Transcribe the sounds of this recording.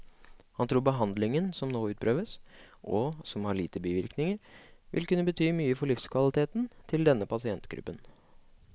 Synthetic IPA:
hɑnt̪ʰɾuːɾbəɦɑnd̪lɪŋənsɔmnoːʉːt̪̚pʰɾøːʋəs | ʔɔsɔmhɑɭiːt̪əbiːʋɪɾknɪŋəɾʋʔɪ̰lkʉnːəbət̪ʰyːmyːəfɔɭɪfskʰʋɑlɪt̪ʰeːt̪n̩t̪ʰɪld̪ɛnːəpʰɑsɪɛnt̪ɡɾʉ̰pːən

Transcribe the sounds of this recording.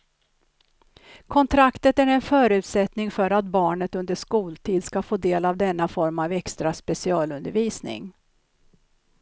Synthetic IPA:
kʰɔnt̪ʰɾakt̪ət̪æɾɛnfœːɾʉ̟ːt̪sɛt̪nɪŋfœɾat̪̚bɑːɳət̪ɵnd̪əʂkuːlt̪ʰiːd̪skafoːd̪eːlavd̪ɛnːafɔɾmavɛkst̪ɾaspɛsɪɑːlɵnd̪əɾviːsnɪ̰ŋ

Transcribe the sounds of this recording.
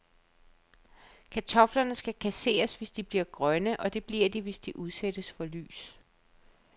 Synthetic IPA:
kʰæt͡sʰɒ̽flɐnəsɡ̥ækʰæse̝̰ːɐsʋe̝sd̥ib̥liɐɡ̥ʁɶnəʔɒ̽d̥e̝b̥liɐ̰d̥iʋe̝sd̥iʔuð̞ˠsed̥əsfɒ̽ly̰ːs

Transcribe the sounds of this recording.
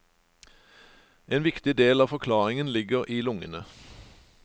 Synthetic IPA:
ʔeːnʋɪkt̪ɪd̪eːlɑːfɔkʰlɑːʁɪŋənlɪɡəʁʔiːlʊŋə̰nə

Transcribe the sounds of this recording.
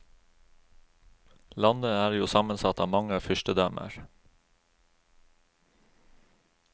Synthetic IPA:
lɑnd̪əæːɾjuːsɑmənsɑt̪ɑːmɑŋəfʏʃʈəd̪œmʔə̰ɹ

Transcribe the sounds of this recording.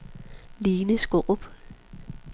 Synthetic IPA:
liːnəsɡ̥oʔb̥

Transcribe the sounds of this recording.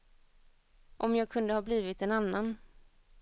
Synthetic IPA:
ʔɔmjɑːɡ̚kʰɵnd̪əhɑːbliːvɪt̪ɛnanːan

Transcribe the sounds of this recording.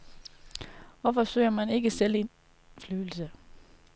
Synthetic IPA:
ʋɒfɒ̽sø̰ɪ̰ɐmæne̝ɡ̥əsel̰e̝n | flyːl̩sə

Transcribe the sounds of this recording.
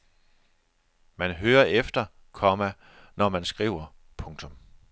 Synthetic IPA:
mænɦøːɐʔefd̥ɐ | kʰɒmæ | nɒmænsɡ̥ʁḭʊ̰ɐ | pʰɔ̽ŋt͡sʰɔ̽m

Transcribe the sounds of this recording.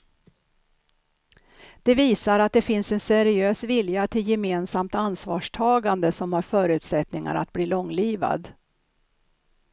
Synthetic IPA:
d̪̥ɛviːsaɾat̪̚d̪ɛfɪnsɛnsɛɾɪøːsvɪljat̪ʰɪljɛmeːnsamt̪ansvɑːʂʈʰɑːɡand̪əsɔmhaɾfœːɾʉ̟ːt̪sɛt̪nɪŋa̰ɾa̰t̪̚bliːlɔŋːliːva̰d̪

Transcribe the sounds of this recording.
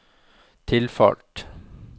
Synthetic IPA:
t̪ʰɪlfɑ̰lʈ

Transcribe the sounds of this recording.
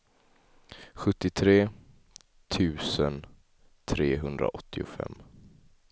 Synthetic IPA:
ɧɵt̪ːɪt̪ʰɾeː | t̪ʰʉ̟ːsən | t̪ʰɾeːɦɵnd̪ɾa̰ʔɔt̪ʰːɪʊfɛ̰mː

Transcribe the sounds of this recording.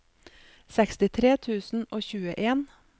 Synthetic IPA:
sɛkst̪ɪt̪ʰɾeːt̪ʰʉːsn̩oːçʉːə̰ʔeːn

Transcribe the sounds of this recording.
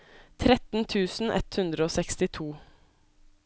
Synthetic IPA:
t̪ʰɾɛt̪n̩t̪ʰʉːsn̩ʔɛ̰t̪hʉnd̪ɾəoːsɛkst̪ɪt̪ʰuː

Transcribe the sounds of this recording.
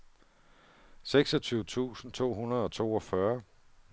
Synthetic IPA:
seɡ̥sɒt͡sʰyːʊət͡sʰṵːsn̩t͡sʰo̝̰ːɦunɐð̞̩ˠɒ̽t͡sʰo̝̰ːɒ̽fɶɐ

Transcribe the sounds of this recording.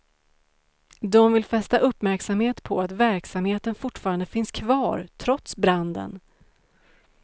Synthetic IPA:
d̪ɔmvɪlfɛst̪aʔɵpːmæɾksamheːt̪pʰɔat̪væɾksamheːt̪ənfʊʈfɑːɾand̪əfɪnskʰvɑːɾt̪ʰɾɔt̪sbɾand̪ə̰n

